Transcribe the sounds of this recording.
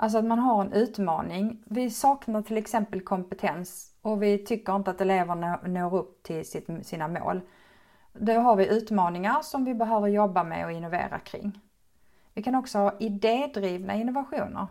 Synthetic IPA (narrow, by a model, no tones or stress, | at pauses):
ʔals̬ɔat̪manɦaɾɛnʔʉ̟ːt̪mɑ̰ːnɪŋvɪsɑːknaʈ̪ʰɪlɛksɛmpəlkʰɔmpɛt̪ʰɛns | ɔvɪt̪ʰʏkːəɾɪnt̪əat̪̚d̪ɛleːvənnoːɾɵp̚ːt̪ʰɪlsɪt̪siːnamo̰ːl | d̪ɛɦaɾvɪʔʉ̟ːt̪mɑːnɪŋaɾʂɔmvɪbɛɦøːvəɾjɔbːamɛ̰ɔɪnːʊvḛːɾa̰kʰɾɪ̰ŋː | vɪkʰanɔksɔhɑːʔɪd̪eːd̪ɾiːvna̰ɪnːʊvaɧuːnə̰ɾ